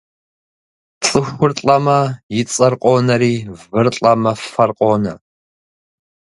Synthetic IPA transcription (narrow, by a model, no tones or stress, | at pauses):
t͡sʼɨxʷʊrt͡ɬʼɐmɐjɪt͡sʼɐrqʼɔːnɐɾiːvɨrɬʼɐmɐɐrqʼɔnɐ̰